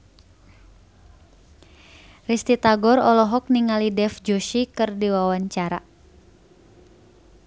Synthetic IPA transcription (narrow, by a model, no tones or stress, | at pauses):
rist̪it̪aɡɔrɔlɔɦɔk̚niŋalidɛfd͡ʒoʃikɨrdiwawaɲt͡ʃaɾa